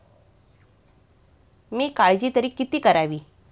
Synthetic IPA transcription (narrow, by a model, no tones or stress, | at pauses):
miːkaɭd͡ʑiːt̪əɾiːkːit̪iːkəɾaʋiː